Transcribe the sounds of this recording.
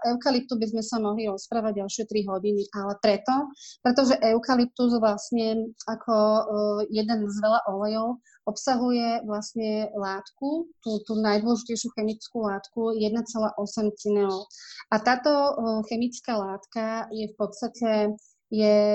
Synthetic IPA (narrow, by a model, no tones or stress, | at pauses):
ʔɛʊkalip̚t̪ubizmɛsamɔɦliɾɔspɾaːʋaɟɟalʃɪɛt̪ɾiɦɔɟiniʔalɛpɾɛt̪ɔpɾɛt̪ɔʒɛʔɛʊkalip̚t̪uzʋlasɲɛakʰɔ | jɛd̪ɛnzʋɛlaʔɔlɛjɔʊ | ɔpsaɦujɛʋlasɲɛlaːt̪kut̪uːt̪uːnajd̪wɔlɛʒicɛjʃjuxɛmit͡skulaːt̪kujɛd̪nat͡sɛlaːʔɔsɛmt͡sinɛɔʊat̪aːt̪ɔxɛmit͡skaːlaːt̪kajɛfpɔt̪t͡st̪acɛ | jɛ